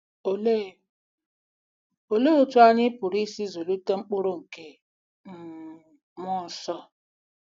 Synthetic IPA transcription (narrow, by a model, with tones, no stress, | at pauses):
o˨le˦˨ | o˨le˦o˦tu˦a˦ɲi˦pu˨ɾi˦si˦zo˨lu˦te˦ŋ͡m̩˦k͡po˦ɾo˦ŋ̩˨ke˨ | m̩˦ | mɔ˦n̩˨˦sɔ˦